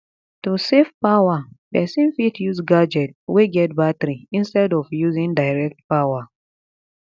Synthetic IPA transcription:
tusefpawapɛsĩnfitʰjuzɡad͡ʒɛtweɡɛt̚batɾiĩnstɛdɔvjuzĩŋdaɪɹɛk̚tpawa

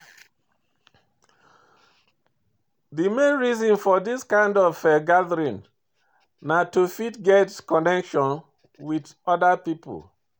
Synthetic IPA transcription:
ðimẽnɹizɔ̃nfɔðiskãɪ̃ndɔvfɛɡaðəɹĩn | natufitɡɛtkɔnɛkʃɔ̃n | wid | ɔdəpipə̰l

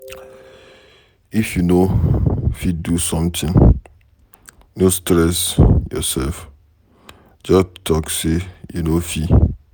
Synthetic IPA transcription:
ifjuno | fidusɔ̃mtɪ̃n | nostɾɛsjɔ̰sɛlf | d͡ʒɔstʰɔksejunofi

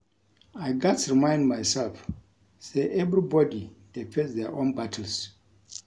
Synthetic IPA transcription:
ajɡatsɹimãɪ̃ndmajsɛlf | seʔɛvɾibɔdid̥efɛtðɛʔõnbatʰəls

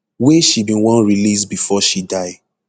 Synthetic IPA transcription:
weʃibĩnwɔ̃nɹilis̬bifɔʃidaɪ

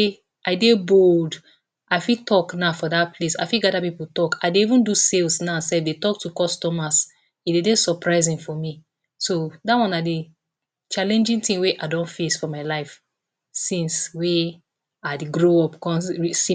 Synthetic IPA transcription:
aɪdebold | aɪfitɔknafɔdapʰlesa̰ɪfiɡadapiputɔkʰadeivũnduselsnasɛfdetɔk̚tukɔstɔmas | idedesɔpɹaɪzĩnfɔmi | sodawɔ̃nade | t͡ʃalɛ̃nd͡ʒĩŋtĩŋweʔadɔ̃nfesfɔmaɪlaɪf | sĩnswe | aɪdeɡɹoɔpkɔ̃nisĩ

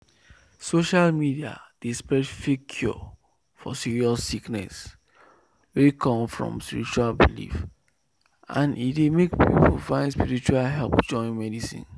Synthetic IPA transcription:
soʃalmidia̰d̥espɹɛtfikʰːjɔ̰ | fɔ̰siɹiɔsiknɛ̰s | wekʰɔ̃mfɹɔ̰̃mspiɹit͡ʃualbilḭf | ã̰nitdemekpḭpofãɪ̃nspiɹit͡ʃualɦɛlpd͡ʒɔ̃ɪ̃nmɛdisḭ̃n

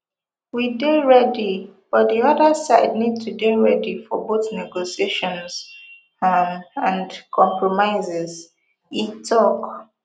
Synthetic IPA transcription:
wideɹɛdib̥ʌt̚ðiʌðəsaɪdnid̚tʰudeɹɛdifɔboθnɛɡosieʃɔ̃nz̥ | mãndkʰɔ̃mpɹɔmaɪzɛz | itʰɔk

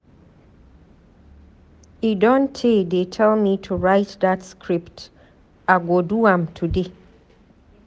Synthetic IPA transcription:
idɔ̃ntʰed̪etʰɛlmĩtʰuɹaɪtdatskʰɹipt | aɡoduãmtʰude

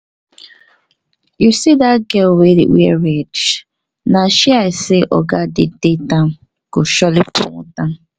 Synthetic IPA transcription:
jusidaɡɛwḛwḛɾed͡ʒ | naʃiaɪsɪʔɔ̰ɡadɪ̰detam̩ | ɡ̥ʊʃɔlɪpʊ̰ŋ̰ta

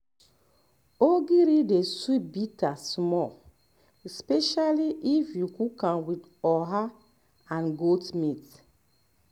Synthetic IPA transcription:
oɡiɾideswibitasmɔ | ɛspɛʃaliʔifjukukãnwid | ɔɦa | ãnɡotmit

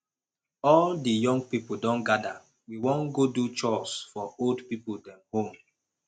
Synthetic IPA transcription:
ɔldijɔ̃ŋɡ̚pipoldɔ̃nɡada | wiwɔ̃nɡodut͡ʃɔsfɔoldpipuldɛ̃mhõm

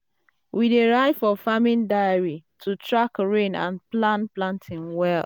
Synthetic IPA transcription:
wideɹaɪdfɔfamɪ̃ndaɪaɹitʰutʰɹakɹẽnã̰nplãnplãntʰɪ̃ŋwɛl

